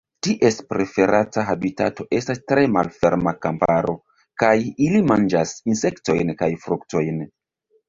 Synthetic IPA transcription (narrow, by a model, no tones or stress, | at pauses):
tiʔe̞spɾe̞fe̞ɾataɦabitato̞ʔe̞stastɾe̞malfe̞ɾmakampaɾo̞ | kajilimand͡ʒasinse̞kto̞jnkajfɾukto̞jn